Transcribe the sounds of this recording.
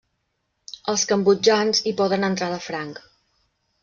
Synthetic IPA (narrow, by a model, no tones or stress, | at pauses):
əlˠskəmbud͡ʒanzipɔðənənt̪ɾaðəfɾaŋk